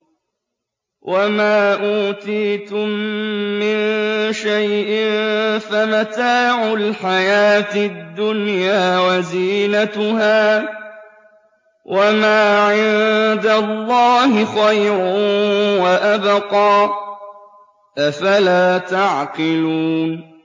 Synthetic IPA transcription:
wʔamaːʔuːt̪iːt̪ʊmː | ɪnʃajʔɪmfamat̪aːʕʊlħajaːt̪ɪd̪ːʊnjaːwaziːnat̪ʊhaː | wʔamaːʕɪnd̪alˤːɑːhɪxajɾʊwaʔabqɑː | ʔafalaːt̪aʕqɪluːn

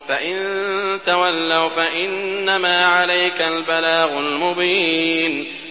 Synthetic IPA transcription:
faʔɪnt̪awalːawfaʔɪnːamaːʕalajkalbalaːɣʊlmʊbiːn

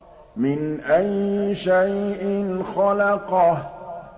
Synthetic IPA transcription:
mɪnʔajːʃajʔɪnxɑlɑqɑh

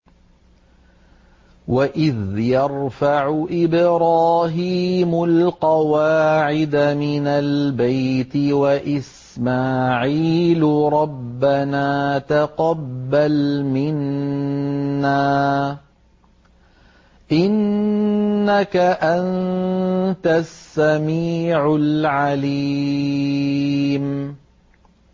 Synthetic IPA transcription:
wʔaʔɪðjɑɾˤfaʕʊʔɪbɾɑːɦiːmʊlqɑwaːʕɪd̪amɪnalbajt̪ɪwaʔɪs | maːʕiːlʊɾˤɑbːanaːt̪aqɑbːalmɪn | aː | ʔɪnː | akaʔan | t̪asːamiːʕʊlʕaliː | m

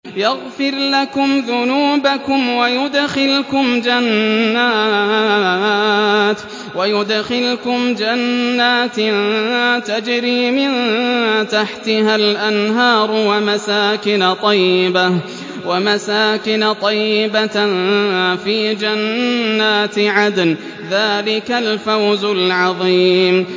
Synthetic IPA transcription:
jaɣfɪɾlakʊmðʊnuːbakʊmwajʊd̪xɪlkʊmd͡ʒanːaː | t̪ | wajʊd̪xɪlkʊmd͡ʒanːaːt̪ | t̪ad͡ʒɾiːmɪnt̪aħt̪ɪɦalʔanɦɑːɾˤwamasaːkɪnat̪ˤɑjːɪba | wamasaːkɪnt̪ˤɑjːɪba | fiːd͡ʒanːaːt̪ʕad̪n | ðaːlɪkalfawzʊlʕɑðˤiːm

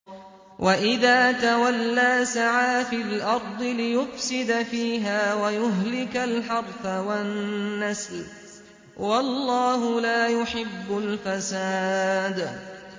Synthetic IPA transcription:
wʔaʔɪðaːt̪awalːaːsaʕaːfilʔɑɾˤd̪ˤɨlɪjʊfsɪd̪afiːɦaːwajʊɦlɪkalħɑɾˤfawanːasl | wɑlːɑːɦʊlaːjʊħɪbːʊlfasaːd̪

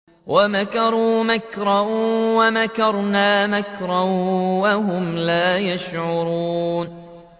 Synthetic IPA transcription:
wʔamakɑɾˤuːmakɾˤɑwamakɑɾˤnaːmakɾˤɑwaɦʊmlaːjaʃʕʊɾuːn

